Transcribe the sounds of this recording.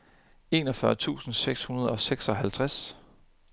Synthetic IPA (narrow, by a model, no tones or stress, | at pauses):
e̝̰ːnɒ̽fɶɐt͡sʰṵːsn̩seɡ̥shunɐð̞̩ˠɒ̽seɡ̥sɒ̽ɦælt͡sʰʁas